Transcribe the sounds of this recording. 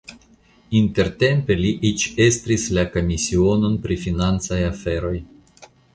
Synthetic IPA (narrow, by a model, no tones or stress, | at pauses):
inte̞ɾte̞mpe̞liʔit͡ʃe̞st̪ɾislako̞misio̞no̞npɾifinant͡sajafe̞ɾo̞j